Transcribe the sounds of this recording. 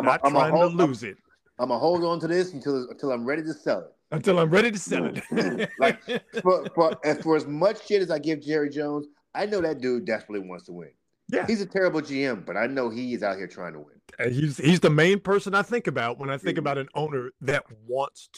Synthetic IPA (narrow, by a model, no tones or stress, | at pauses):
mətɹmaaɪɪŋtʰəluzɪt̚ | ãməɦoʊlˠd̃n̩tɨðɪsn̩tʰɪlˠə̃n̩tʰɪlˠãɪ̃mɹɛɾiɾɨsɛ̰lˠɪ̰t̚ɨ̃ntɪlˠãɪ̃mɹɛɾiɾɨsɛlˠɪ̰t̚laɪkfə˞fə˞ɨfə˞ɨzmʌt͡ʃʃɪɾɨzaɪɡɪvd͡ʒɛɹid͡ʒõʊ̃nz | aɪnoʊðɨt̚d̥ɨdɛspɹətˡliwɑ̰̃ntstʰəwɪ̰̃n | jæhizɨtʰɛɹɨbl̩ˠd͡ʒiɛ̃mb̥ʌɾaɪnoʊiɨzaʊt̚hiɹtʰɹ̥aɪɪ̃ŋtʰə̰wɪ̰̃nɨizhizðɨmẽɪ̃npʰɜ˞sɨ̃naɪθɪ̃ŋkɨbaʊt̚wə̃naɪθɪ̃ŋkɨbaʊɾɨ̃nõʊ̃nə˞ðɨt̚wɑ̃ntstʰ